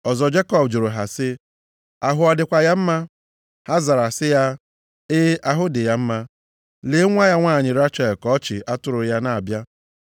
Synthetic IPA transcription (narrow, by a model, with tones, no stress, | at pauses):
ɔ˨zɔ˨d͡ʒe˦kɔ˦bd͡ʒʊ˨ɾʊ˨ɦa˨sɪ˦ | a˨ɦʊ˨ɔ˨dɪ˨kʷa˨ja˦m̩˦ma˦ | ha˦za˨ɾa˨sɪ˦ja˦ | ɪ˦ʔa˦ɦʊ˦dɪ˨ja˦m̩˦ma˦ | le˦ŋʷa˦ja˦ŋʷaː˦˨ɲɪ˨ɾa˦t͡ʃa˨kɔ˦ɔ˦t͡ʃɪ˨ʔa˦tʊ˨ɾʊ˨ja˦na˨a˨bja˦